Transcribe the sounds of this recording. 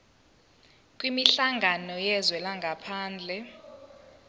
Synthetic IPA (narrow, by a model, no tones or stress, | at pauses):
kʼwimiɬaŋɡʱanɔjɛzwɛlaŋɡʱapʰaːnd͡ɮʱɛ